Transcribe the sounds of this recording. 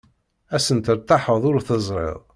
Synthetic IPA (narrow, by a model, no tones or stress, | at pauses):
æsənt̪əɾt̪ːaħəðˤʊɾθəzˤɾˤɪ̰ðˤ